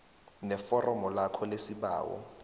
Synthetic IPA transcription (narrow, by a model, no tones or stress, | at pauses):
nɛfɔrɔmɔlakʰɔlesiɓa̰ːwɔ̰